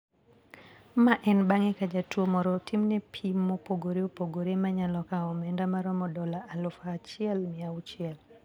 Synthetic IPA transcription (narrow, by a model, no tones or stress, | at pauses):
maʔɛnbaŋɛkad͡ʒatwomɔɾɔtʰimnɛpʰimːopoɡoɾeopoɡoɾemaɲalɔkaɔmɛndamaɾɔmɔdɔlaʔalɔfaːt͡ʃɪɛlmiaut͡ʃɪɛl